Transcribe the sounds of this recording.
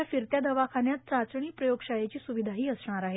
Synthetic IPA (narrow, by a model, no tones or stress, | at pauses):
afiɾt̪jad̪ʱəʋakʰanjat̪̚t͡sat͡sɳ̃iːpɾəjoɡʂajet͡ɕiːsuʋid̪ʱaɦiːəsɳ̃aɾaɦe